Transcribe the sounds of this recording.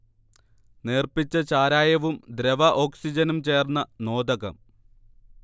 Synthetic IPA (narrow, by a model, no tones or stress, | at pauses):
neːrpit͡ɕːɐt͡ɕaːɾaːjɐʋumd̪ɾeʋɐʔo̞ːksid͡ʑɐnumt͡ɕe̞ːrnːɐno̞ːd̪ɐɣɐ̰m